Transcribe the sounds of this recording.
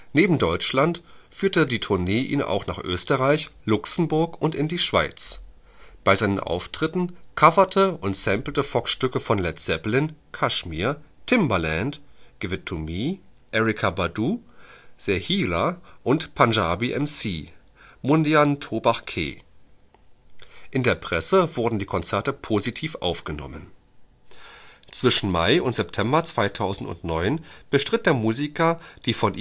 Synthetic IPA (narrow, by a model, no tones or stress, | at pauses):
neːbm̩dɔʏt͡ʃlantfyːɐtədiːtʰʊɐneːʔḭːnʔa̰ʊxna̰ːχʔø̰ːstəʁaɪçlʊksn̩bʊɐkʊntɪndiːʃv̥a̰ɪt͡s | b̥aɪzaɪnənʔa̰ʊftʁ̥ɪtn̩kʰavɐtʰəʊntsɛmpl̩təfɔkʃtʏkəfɔnlɛtz̥ɛplɪnkʰaʃmiːɐtʰɪmbɐlɛntɡ̥vɪtʰumiː | ʔɛʁɪkʰabaduːð̥əhiːlaʔʊntpʰanʒaːbiʔɛmsiː | mʊndiantʰobaχkʰḛː | ʔɪndeːɐpʁ̥ɛsəvʊɐdn̩diːkʰɔnt͡sɛɐtəpʰozitʰiːfʔa̰ʊfɡ̥ənɔ̰mən | t͡sv̥ɪʃn̩maɪʊntz̥ɛptʰɛmbɐt͡sv̥aɪtʰaʊzn̩tʊ̰ntnɔʏnb̥əʃtʁ̥ɪt̚d̥eːɐmuːzikʰɐd̥iːfɔnʔ